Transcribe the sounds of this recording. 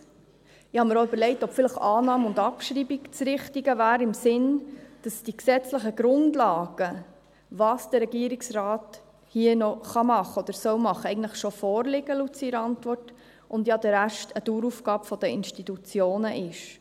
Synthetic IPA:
ɪhɑməɾoʏbəɾlɛɪtɔpfɪləχɑːnɑːmʊndɑpʃɾiːbikt͡sɾɪχtiɡəvæːɾɪmsɪnd̥ɑsd̥iksɛt͡sləχəɡɾʊndlɑːɡ̥ə | vɑːsd̥əɾɛɡiːəɾiksrɑːt | hiənɔχɑmɑχəɔd̥̪əɾsœwmɑχːəɛɪɡntləχʃɔfɔːrlɪɡ̥əlut͡siɾɑntʋɔrt | ʊndjɑdɛɾæʃtʰəduːɾufɡ̥ɑːpfɔd̥əɪnʃtitut͡sjoːnəʔɪʃ

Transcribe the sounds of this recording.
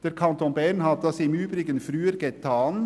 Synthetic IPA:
d̪̥ɛɾkʰɑnt̪ɔnbæɳhɑd̪d̪ɑsiːmʉːbɾɪɡənfɾʉːəɾɡɛt̪ʰːɑːn

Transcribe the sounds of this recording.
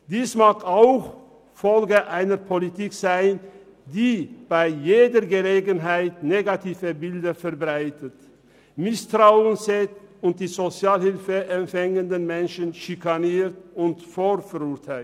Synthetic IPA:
d̥iːsmaːkaʊx | fɔlɡəʔaɪnəɐpʰolitiːkz̥aɪn | diːb̥aɪjeːdəɡəleːɡənɦaɪtneːɡatʰiːvəbɪldɐfɛɐbʁaɪtət | mɪstʁ̥aʊənsɛtʊnt̚d̥iːzot͡sjaːlhɪlfəʔɛmfɛŋəndənmɛnʃənʃikaniːtʊntfoːlfɛʁʊɐtʰaɪ

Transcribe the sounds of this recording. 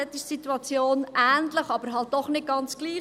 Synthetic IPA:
ɛt̪iʃsit̪uɑt͡sjoːnʔæːnt̪ləχɑbəɾɦɑlt̚d̥ɔχnɪt̚ɡ̥ɑnt͡sɡ̥liː

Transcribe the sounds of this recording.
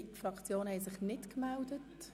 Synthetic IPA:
tfrɑkt͡sjoːnhɛɪsɪχnɪtkmældət

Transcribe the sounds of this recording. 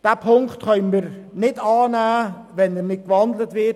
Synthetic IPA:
d̥apʰʊŋktkœnnməɾ | nɪtɑːnaː | vɛnənɪt̚ɡ̥əɑndlətvɪt

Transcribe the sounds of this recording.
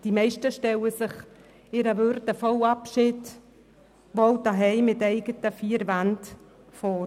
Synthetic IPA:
d̥imɛɪʃtəʃtɛləsɪχ | ɪɾəʋʏɾtəfɔwɑpʃɪt | ʋɔwtaɦɛɪmɪtɛɪɡ̥ətəfiːəɾʋant | fɔːɾ

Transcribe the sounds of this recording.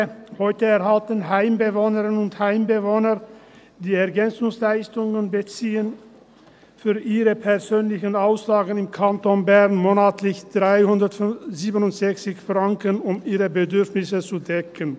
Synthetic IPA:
hɔʏtəɛɐɦaltənɦaɪmbəvoːnəʁɪnnʊnthaɪmbəvoːnɐ | d̥iːɛɐɡɛnt͡sʊŋslaɪstʊŋənbət͡siːən | fyːɐʔiːʁəpʰɛɐzøːnlɪçənaʊslaːɡən̩ɪmkʰantonbɛʁnmoːnaːtʰlɪçd̥ʁaɪhʊndɐtziːbənʊntz̥ɛçt͡sɪçfʁaŋkənʊmiːʁəbədʏɐfnɪsət͡sudɛkʰən

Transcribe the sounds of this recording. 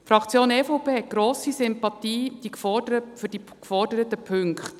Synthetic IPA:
fɾɑkt͡sjoːnɛfoʊpeːɦɛt̚ɡ̥ɾoːsisʏmpɑtiːd̥ikfɔdəəfʏd̥i | kfɔrdəɾətəpʰʏŋkχt

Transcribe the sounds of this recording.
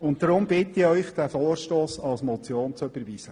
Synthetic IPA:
ʊntdɾʊmbɪtɪœʏχd̪̥æfoːɾʃtoːsɑlsmɔt͡sjoːnt͡søbəɾʋiːsə

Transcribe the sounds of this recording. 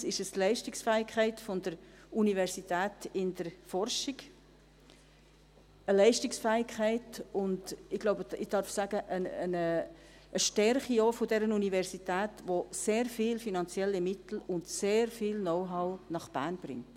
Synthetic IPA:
sɪʃəstlɛɪʃtɪksfɛːɪkʰχɛɪtfɔndəɾ | univɛɾsitæːtɪndəɾfɔɾʃɪɡ | əlɛɪʃtɪksfɛːɪkʰχɛɪtʊndɪɡ̥loʊbəɪd̥ɑɾfsæɡ̥əʔəənəː | ʃtɛɾχijoːfʊdɛɾənunivɛɾsitæːtʋoseːɾfiːlfinɑnt͡sjɛlːimɪtl̩ʊndseːɾfiːlnɔʊɦɑʊnɑχb̥æ̰ːɾnb̥ɾɪ̰ŋt

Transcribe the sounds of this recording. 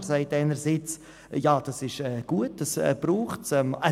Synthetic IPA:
zaɪtaɪnəɾzit͡s | jɑːd̥ɑsɪʃɛːɡ̥uət̚d̥ɑsɛ̰b̥ɾuːχtsɛma

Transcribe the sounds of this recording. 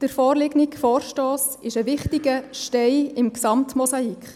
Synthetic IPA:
d̥əɾfɔːrlɪɡnikfɔːɾʃtoːs | ɪʃəʋɪχtiɡəʃtɛɪɪmksɑmtmosɑikχ

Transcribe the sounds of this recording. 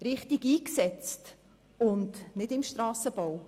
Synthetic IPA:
ɾɪχtiɡiːksɛt͡st | ʊndnɪdɪmʃtɾɑːsəb̥ow

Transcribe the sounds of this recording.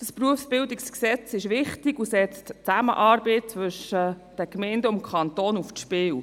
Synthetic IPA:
d̥əspɾuəfsb̥ɪlwdɪksksɛt͡sɪʃʋɪχtiɡusɛt͡stt͡sæmə̰ʔɑːɾbɛɪt͡sʋɵʃəd̥əkmɛɪndəʊmkʰχɑnt̪oːnufʃpɪːw

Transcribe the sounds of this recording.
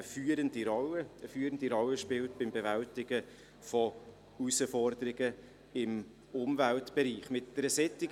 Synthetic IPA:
əfyːɾəndiɾɔləəfyːɾəndiɾɔlːəʃpɪltb̥ɪmbevæltɪɡə | fɔ | usəfɔrd̪əɾɪɡə | ɪm | ʊmvæltb̥ɛɾiːχmɪtd̥ɛɾəsɛtɪɡ

